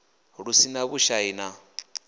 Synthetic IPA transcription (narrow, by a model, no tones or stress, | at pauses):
ɺusinaβuʃaina